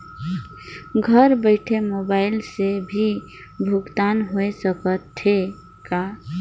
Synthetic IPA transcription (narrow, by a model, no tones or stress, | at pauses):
ɡʱəɾbəɪʈʰemobaɪlsebʱi | bʱuɡt̪anɦoesəkət̪ʰe | ka